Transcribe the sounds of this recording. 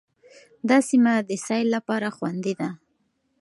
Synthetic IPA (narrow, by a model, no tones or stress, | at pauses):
d̪ɑsimad̪əsɑjlːapɑɾaxwand̪id̪a